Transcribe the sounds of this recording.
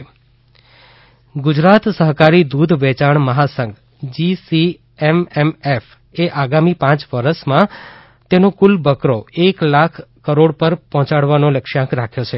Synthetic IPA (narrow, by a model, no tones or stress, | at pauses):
ɡʊd͡ʒɾat̪səɦkaɾid̪ud̪ʱʋɛt͡ʃaɳməɦasə̃ŋɡ | d͡ʒisi | ememef | eʔaɡamipãt͡ʃʋəɾəʃmã | t̪enokulbəkɾoeklakʰːəɾoɽpəɾpɔɦɔ̃t͡ʃaɽʋanoləkʃãkɾakʰjot͡ʃʰe